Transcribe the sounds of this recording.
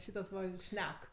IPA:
ˈʃʲiːtɐs ʋɐ ˈʃʲnʲɛk

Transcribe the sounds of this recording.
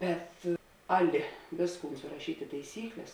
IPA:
ˈbʲɛt ˈɑːˌlʲɪ ˈʋʲeːsˌkuːn sʊrɐˈʃʲiːtʲ ɪ tɐɪˈsʲiːklʲɛs

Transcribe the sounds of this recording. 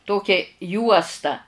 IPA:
ˈtoːkʲɛ ˈjuɔstɐ

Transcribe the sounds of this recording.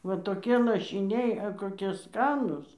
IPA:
ʋɐ toːˈkʲiɛ lˠɐʃʲɪˈnʲɛɪ ɐ koːˈkʲiɛ ˈskɑːnʊs

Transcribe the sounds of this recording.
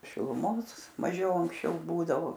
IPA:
ʃʲɪlˠʊˈmoːs mɐˈʒʲɛʊ ɐŋksʲˈt͡ʃʲɛʊ ˈbuːdɐʋoː

